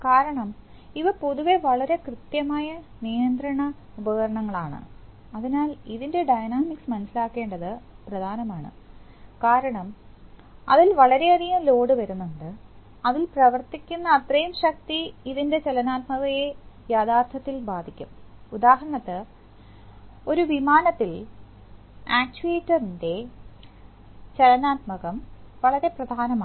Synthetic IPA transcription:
kaːɾɐɳɐm | iʋɐpo̞ðuʋe̞ʋɐɭɐɾe̞krɨt̪jɐmaːjɐ | nijɐnd̪rɐɳɐ | ubɐːɐɾɐɳɐŋːɐɭaːɳɨ̰ | ɐðinaːliðinde̞ɖɐjnaːmiksmɐnɐsilaːkːe̞ːɳɖɐðɨprɐd̪ʱaːnɐmaːɳɨ̰ | kaːɾɐɳɐm | ɐ̰ðilʋɐɭɐɾe̞ɐrijɐmlo̞ːɽɨʋɐɾunːuɳɖɨ | ɐðilprɐʋɐrt̪ikʲːunːɐːt̪rɐjumɕɐk̚t̪iiðinde̞t͡ɕelɐnaːt̪mɐɣɐjejaːd̪aːrt̪ʰɐt̪ːilbaːd̪ʱikʲːumud̪aːɦɐɾɐɳɐt̪ːɨ | o̞ɾuʋimaːnɐt̪ːil | aːk̚t͡ɕueːtːɐrinde̞ | t͡ɕelɐnaːt̪mɐɣɐmʋɐɭɐɾe̞prɐd̪ʱaːnɐmaː

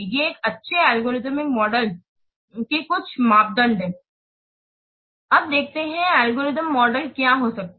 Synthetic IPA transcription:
jeeːkɐtːʃʰeɛːlɡoːɾɪzmɪkmɔːɖəl | kikʊt͡ʃʰmaːp̚d̪ə̃ɳɖɦɛ̃ː | ɐb̚d̪eːk̚ʰt̪eɦɛ̃ɛːlɡoːɾɪzəmːɔːɖəlkjaɦosɐk̚t̪

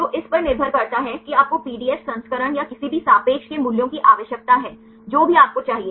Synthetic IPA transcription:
t̪oːʔɪspɐɾnɪɾbʱəɾkɐɾt̪aɦɛkiaːp̚kopiːɖiːɛssɐ̃nskəɾəɽ̃jakɪsibʱisaːpeːkʃkemʊljõkiʔaːʋəʃjək̚t̪aɦɛː | d͡ʒoːbʱiaːp̚kot͡ʃaːɦieː

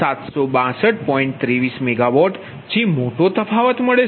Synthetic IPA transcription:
at̪sobãsəʈ̚pɔiɳʈ̚t̪ɾiʋismeɡaʋɔʈ | t͡ʃimoʈot̪əfʰaʋət̪məɭe

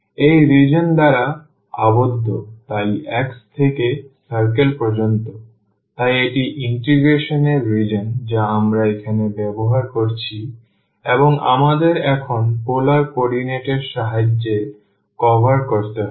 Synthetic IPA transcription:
ejɾid͡ʑond̪aɾa | a̰bod̪ʱːot̪ajɛkst̪ʰekesaɾkelpɾod͡ʑont̪o | t̪ajeʈiʔiɳʈiɡɾeʃoneɾːid͡ʑond͡ʑaamɾaekʰanebɛboɦaɾkoɾt͡ɕʰi | eboŋa̰mad̪eɾɛkʰonpolaɾkɔɖineʈeɾʃaɦad͡ʑːe | kɔbʱaɾkoɾt̪eɦ

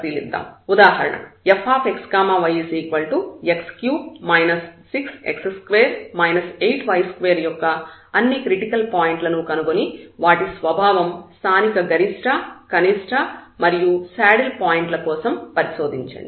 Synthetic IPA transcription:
t̪ilḭd̪ːa̰ːmud̪aːɦɐɾɐ̰ɳɐ̰epʰaːpʰekskaːmaːʋɐjisiːkʋɐɭʈuekskjuːmɐjnɐsːiksḛkseskʋeːɾmɐjnɐsejʈʋɐjskʋeːɾjɔkːɐɐnːikɾiʈikɐlpaːjiɳʈlɐnukɐnukoniʋaːʈisʋɐbʱaːʋɐmst̪ʰaːnikɐɡɐɾiʂʈʰɐkɐniʂʈʰɐmɐɾijusaːɽilpaːjiɳʈlɐkɔːsɐmpɐɾiso̞ːd̪iɲt͡ʃɐ̰ɳɖi

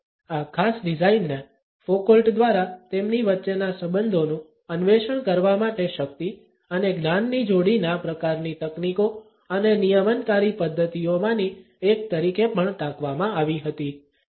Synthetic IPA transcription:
akʰasɖid͡ʒainːe | fokəlʈd̪ʋaɾat̪emniʋətːʃenasəbənd̪ʱonũ | ənʋeʃəɳkəɾʋamaʈeʃək̚t̪i | əneɡnanːid͡ʒoɽinapɾəkaɾnit̪əkniko | ənenijəmənkaɾipəd̪ʱːət̪iomãni | ekt̪əɾikepəɳʈ̪ãkʋamãaʋiɦət̪i

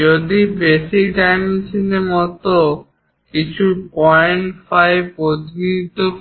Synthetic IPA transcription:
od̪ibeʃikʈajmisinemɔt̪o | kit͡ɕʰupɔjɳʈfajbod̪nit̪o

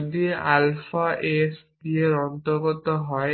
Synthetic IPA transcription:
d̪ialfaʔes | ɡieɾɔnt̪oɾɡɔt̪ɔɦɔe

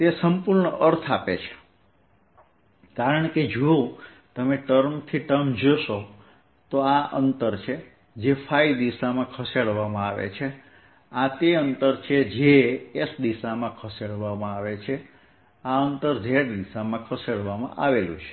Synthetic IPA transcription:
t̪esəmpuɾɳəʔəɾt̪ʰapet͡ʃʰe̥ | kaɾəɳked͡ʒuo | t̪əmeʈəɾmt̪ʰiʈəmd͡ʒoʃo | t̪oaʔənt̪əɾt͡ʃʰe | d͡ʒefʰaid̪isamãkʰəseɽʋamãaʋḛt͡ʃʰe | at̪eənt̪əɾt͡ʃʰed͡ʒeesd̪isamãkʰəseɽʋamãaʋet͡ʃʰe | aənt̪əɾd͡ʒeɽd̪isamãkʰəseɽʋamã̰ʔaʋelṵ̃t͡ʃʰe̥

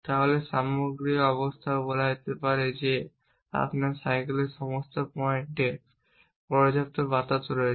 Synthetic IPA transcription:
t̪aɦoleʃamoɡɾikɔβost̪ʰaobolad͡ʑet̪epaɾed͡ʑe | a̰pnaɾsajkeleɾʃɔmost̪opɔeɳʈe | pɔɾd͡ʑap̚t̪obat̪at̪oɾo

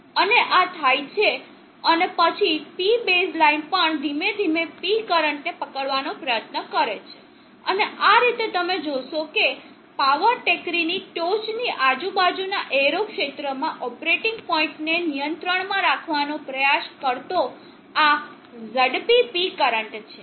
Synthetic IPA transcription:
əneʔat̪ʰajt͡ʃʰe | ənepət͡ʃʰipibeslainpəɳd̪ʱimed̪ʱimepikəɾəɳʈnepəkəɭʋanopɾəjət̪nəkəɾet͡ʃʰe̥ | əneaɾit̪et̪əmed͡ʒoʃoke | paʋəɾʈekɾiniʈot͡ʃniʔad͡ʒubad͡ʒunaʔeɾokʃet̪ɾəmãʔɔpɾeʈɪŋɡpɔĩɳʈnenijənt̪ɾəɳmãɾakʰʋanopɾəjaʃkəɾt̪o | a | zəɽpipikəɾəɳʈt͡ʃʰe

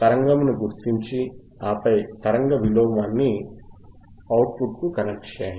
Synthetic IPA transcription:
t̪ɐɾɐŋɡɐmnuɡuɾt̪iɲt͡ʃi | aːpɐjt̪ɐɾɐŋɡɐʋiloːmɐnːi | ɐwʈpʰuʈ̚kukɐnek̚ʈt͡ʃɛːjɐ

